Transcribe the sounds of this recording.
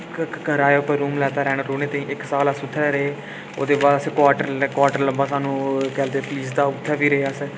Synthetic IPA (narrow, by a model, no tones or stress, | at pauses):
ɡəɾaːeːʊpːəɾuːmlɛːt̪aːɾɛːɽ̃aɾoːɽ̃ẽːt̪ãːĩːʔɪksaːləsʊt̪ʰːɛːɾəeː | o̰ːd̪eːbaːd̪əskwaːʈəɾkwaːʈəɾləmbaːsaːnũːkɛːld̪eːpliːsd̪aːʊt̪ʰːɛːpiːɾəeːəs